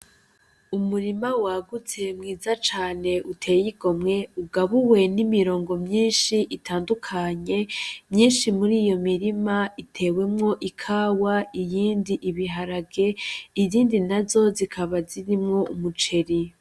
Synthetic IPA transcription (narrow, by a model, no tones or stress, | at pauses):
umuɾimawaːɡut͡se̞mŋiːzat͡ʃaːne̞ʔutʰe̞ːjiɡo̞mŋe̞uɡaβuwe̞nimiɾo̞ːŋɡo̞mɲiːnʃiʔitʰaːndukʰaɲe̞mɲiːnʃimuɾiːjo̞miɾimaitʰe̞ːwe̞mŋo̞ʔikʰaːwaijiːndiʔiβiɦaɾaɡe̞iziːndinazo̞zikʰaβaziɾimŋo̞umut͡ʃe̞ɾi